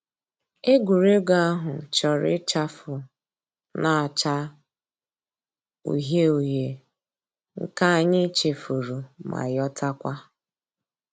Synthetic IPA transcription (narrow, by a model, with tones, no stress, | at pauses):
e˦ɡʷu˨ɾe˦ɡɔ˨a˦ɦʊ˨t͡ʃɔ˨ɾɪ̰˦t͡ʃa˦fʊ˨ | na˦˨a˨t͡ʃa˦ | ṵ˨ɦe˦u˨ɦe˨ | ŋ̩˨ka˦a˨ɲɪ˦t͡ʃe˨fu˨ɾu˨mʔa̰˨jɔ˦ta˦kʷa˦